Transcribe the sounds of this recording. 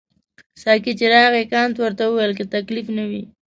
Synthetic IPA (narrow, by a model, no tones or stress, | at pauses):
sɑkit͡ʃeɾɑɣekɑnt̪wəɾt̪awuwajlket̪aklifnawi